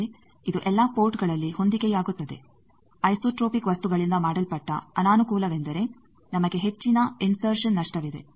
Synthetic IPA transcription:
e | id̪uʔɛlːaːpo̞ːɾʈɡɐɭɐlːiho̞nd̪iɡejaːɡut̪ːɐd̪e̞̰ | ɐjsoːʈɾoːpikʋɐst̪uɡɐɭind̪ɐmaːɽɐlpɐʈːɐ̰ɐnaːnukuːlɐʋe̞nd̪ɐɾe̞ | nɐmɐɡe̞ɦe̞t͡ʃːinɐinsɐɾʂɐnːɐʂʈɐʋid̪e̞̰

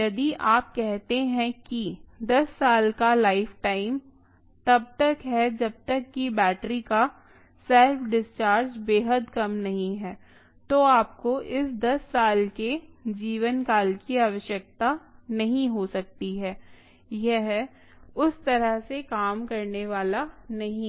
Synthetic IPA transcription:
jɐd̪iʔaːp̚kɛɦt̪eɦɛ̃kid̪ɐsːaːlkalaːɪfʈaːɪm | t̪ɐb̚t̪ɐkɦɛd͡ʒɐb̚t̪ɐkːibɛːʈɾika | sɛlfɖɪst͡ʃaːɾd͡ʒbeːɦəd̪kɐmnɐɦĩɦɛː | t̪oːaːp̚koʔɪsd̪ɐsːaːlked͡ʒiːʋənkaːlkiaːʋəʃjək̚t̪anɐɦĩɦosɐk̚t̪iɦɛː | jɛɦɛ | ʊst̪ɐɾəɦsekaːmkɐɾneʋaːlanɐɦĩ

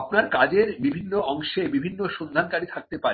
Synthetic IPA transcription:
pnaɾkad͡ʑeɾbibʱinːoɔŋʃebibʱinːoʃond̪ʱankaɾit̪ʰak̚t̪epa

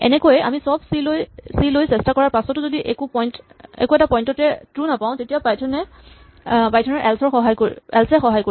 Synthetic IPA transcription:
ɛ̰nɛkojɛʔa̰misɔbsilojsilojsɛstakɔɹaɹpasɔtʊzodiʔekupɔjnt | ḛkuɛtapɔjntɔtɛtɹunapaʊ̃tetijapajtʰɔnɛ | pajtʰɔnɛʔɛlsɔɹxɔɦajkoɹɛ̰lsɛxɔɦajko

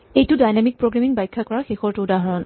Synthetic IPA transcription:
ejtʊdajnamik̚pɹoɡɹamiŋbajkʰːakɔɹaxexɔɹtuwdaɦɔɹɔn

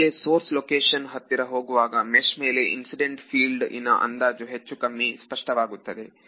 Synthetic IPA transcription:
esoːɾslokeːʂɐnɦɐt̪ːiɾɐɦo̞ːɡuʋaːɡɐmeʂme̞ːle̞ʔḭnsiɖeɳʈfʰiːlɖḭnːɐʔɐ̰nd̪aːd͡ʒuɦet͡ʃːukɐmːispɐʂʈɐʋaːɡut̪ːɐd̪e̞

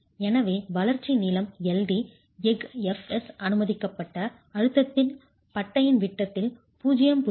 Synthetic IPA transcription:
ɛnɐʋeːʋɐlɐɾt͡ʃiniːlɐmɛlɖi | ɛɡɛfɛsɐnɯmɐðɪkːɐpːɐʈːɐ | ɐɻɯt̪ːɐt̪ːɪn | pɐʈːɐjɪnʋɪʈːɐt̪ːɪl | puːd͡ʒɐjɐmpʊ

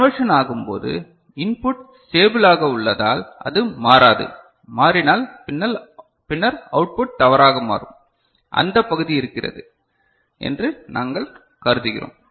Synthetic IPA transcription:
ʋɐʂɐnaːɣɯmpo̰ːðɯ̰ | ɪnpʊʈ | seːbɯlaːɣɐʊɭːɐðaːlʔɐ̰ðɯmaːɾaːðɯ̰ | maːɾɪnaːlɪnːɐl | pɪnːɐɾɐʊʈ̚pʊʈ̚t̪ɐʋɐɾaːɣɐma̰ːɾɯ̰m | ʔɐ̰nd̪ɐpːɐɣɯðiɪɾɯkːɪrɐ̰ðɯ | ʔɛ̰ndrɯnʔaːŋɡɐɭ | kɐɾɯðɯɣɪro̰ːm

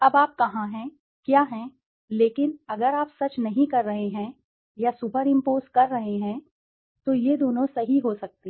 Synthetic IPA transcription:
ɐbaːp̚kɐɦãɦɛ̃ | kjaːɦɛ̃ | leːkɪnɐɡəɾaːpsɐt͡ʃnɐɦĩkɐɾːɐɦeɦɛ̃ | jasupəɾɪ̃mpoːzkɐɾːɐɦeɦɛ̃ | t̪ojed̪oːnõsɐɦiɦoːsɐk̚t̪e

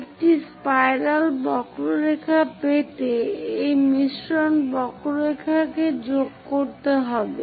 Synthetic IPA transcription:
ek̚ʈispajɾalbɔkɾoɾekʰapet̪eejmiʃɾonbɔkɾoɾekʰaked͡ʑoɡkoɾt̪eɦɔbe

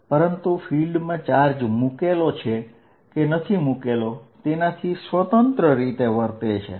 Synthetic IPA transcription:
pəɾənt̪ufʰilɖmãt͡ʃaɾd͡ʒmukelot͡ʃʰe | kenət̪ʰimukelot̪enat̪ʰisʋət̪ənt̪ɾəɾit̪eʋəɾt̪et͡ʃʰḛ

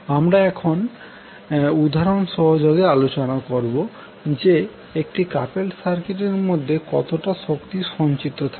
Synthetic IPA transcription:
amɾaɛkʰon | ud̪ʱaɾonʃɔɦod͡ʑoɡealot͡ɕonakoɾbo | d͡ʑe | ek̚ʈikapelsaɾkeʈ̬eɾmod̪ʱːekɔt̪oʈaʃokt̪iʃɔnt͡ɕit̪ot̪ʰae

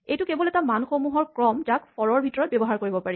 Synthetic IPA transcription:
ejtʊkebɔlɛtamanxomuɦɔɹkɹɔmtakpɔɹɔɹbʱitɔɹɔt̚bɛbɔɦaɹkoɹibɔpaɹi

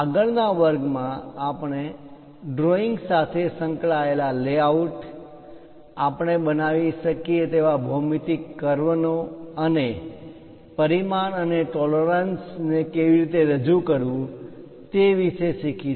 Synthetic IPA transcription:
aɡəɭnaʋəɾɡmãapəɳ̃e | ɖɾoiŋɡsat̪ʰesə̃ŋkɭaelaleauʈ | apəɳ̃ebənaʋiʃəkiet̪eʋabʱəmit̪ikːəɾʋənoəne | pəɾimanəneʈɔləɾənsnekeʋiɾit̪eɾəd͡ʒukəɾʋũ | t̪eʋiʃeʃikʰi

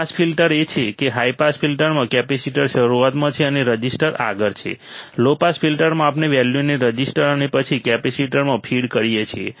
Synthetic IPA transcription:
aspʰilʈəɾet͡ʃʰekeɦaipaspʰilʈəɾmãkɛpesiʈəɾʃəɾuat̪mãt͡ʃʰeəneɾəd͡ʒisʈəɾa̰ɡəɾt͡ʃʰḛlopaspʰilʈəɾmãapneʋɛljuneɾəd͡ʒisʈəɾənepət͡ʃʰikɛpesiʈəɾmãpʰiɽkəɾijet͡ʃʰie

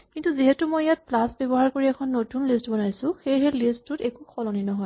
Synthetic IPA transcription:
kintuziɦɛtumɔjjat̚plasbebɔɦaɹkoɹiɛkʰɔnːotunlistbɔnajsʊ̃xejɦɛlistʊtɛkukʰɔlɔninɔɦɔj

